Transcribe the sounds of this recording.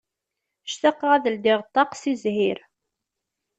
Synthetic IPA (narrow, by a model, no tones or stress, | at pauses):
ʃθɑqːʁæðəld̪ɪʁt̪ˤːɑqsizhiɾ